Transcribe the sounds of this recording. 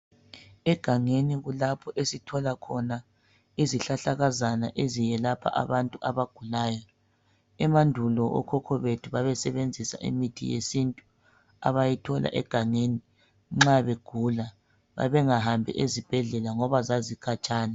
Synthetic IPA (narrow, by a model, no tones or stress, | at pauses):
ɛɡ̥ʱaŋeniɣulapʰɔʔesitʰɔlakʰɔna | iziɬaɬaɣazanaʔezijɛlapʰa̰ʔa̰βantʼuʔaβaɡ̥ʱulaːjɔ | ɛmandʱulɔʔɔ̰kʰɔkʰɔβetʰuβaβɛsɛβend͡zʱisa̰ʔḭmitʰḭjḛsintʼu | a̰βajitʰɔla̰ʔɛɡ̥ʱaŋeni | ŋ͡ǁaβeɡ̥ʱula | βa̰βɛŋahambʱḭʔezib̥ʱɛɮɛlaŋɔβazazikʰat͡ʃʼaːna